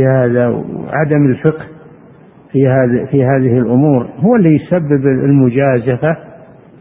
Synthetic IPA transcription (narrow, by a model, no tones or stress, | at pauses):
ihaːðawʕa̰d̪amɪlfɪqh | fihaːfihaːðɪhɪlʔʊmuːɾhʊwːalːijsabːɪbɪ̰lmʊd͡ʒaːzafa